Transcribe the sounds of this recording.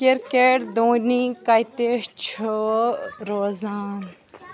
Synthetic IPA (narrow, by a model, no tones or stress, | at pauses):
kiɾkeʈd̪õːnikɐjt̪eʂt͡ʃʰo | ɾoːzaːn